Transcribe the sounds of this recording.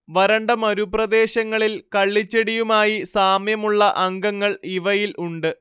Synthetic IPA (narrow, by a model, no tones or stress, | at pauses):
ʋɐɾɐɳɖɐmɐɾuprɐd̪e̞ːɕɐŋːɐɭilkɐɭːit͡ɕːeɽijumaːjisaːmjɐmuɭːɐʔɐŋɡɐŋːɐɭiʋɐjilʔuɳɖɨ